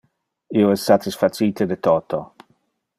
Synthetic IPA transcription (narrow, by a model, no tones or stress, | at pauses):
ioɛsːat̪isfat͡siːt̪ed̪et̪oːt̪ʰo